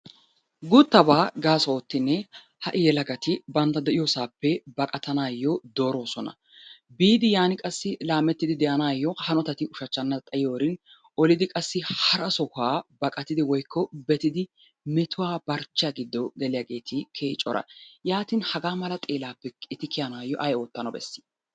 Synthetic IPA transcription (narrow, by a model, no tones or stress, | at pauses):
ɡʊt̪ːɐbaːɡaːsooːt̪ːɪnːɛ | hɐʔɪjɛlɐɡɐt̪ɪbɐnt̪ːɐd̪ɛʔɪjɔsaːpːɛbɐkʼɐt̪ɐnaːjːɔd̪o̞ːɾo̞ːsɔnɐ̰ | biːd̪ɪjaːnɪkʼɐsːɪlaːmɛt̪ːɪd̪ɪd̪ɛʔɐnaːjːɔhɐnɔt̪ɐt̪ɪʊʃɐt͡ʃːɐnːɐt̪ʼɐjoːɾɪn | ʔɔlɪd̪ɪkʼɐsːɪhɐɾɐsɔkaːbɐkʼɐt̪ɪd̪ɪwɔjkʰːɔbɛt̪ɪd̪ɪ | mɛt̪ʊwaːb̥ɐɾt͡ʃːaːɡɪd̪ːɔɡɛlɪjaːɡe̞ːt̪ʰɪkʰeːt͡ʃʼɔɾɐ̰jaːt̪ɪnhɐɡaːmɐlɐt̪ʼe̞ːlaːpːɛɪt̪ːɪkʰɪjɐnaːjːɔʔɐjo̞ːt̪ːɐnɔbɛ̰sːɪ̥